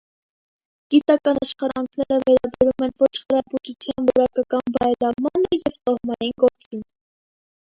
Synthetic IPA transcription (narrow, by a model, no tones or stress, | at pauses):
ɡ̥it̪ɑkɑnɑʃχɑt̪ɑŋkʰnɛɾəvɛɾɑbɛɾumɛnvɔt͡ʃʰχəɾɑbut̪ut͡sʰjɑnvɔ̰ɾɑkɑkɑnbɑɛlɑmɑnəjɛvt̪ɔhmɑjinɡɔɾt͡sin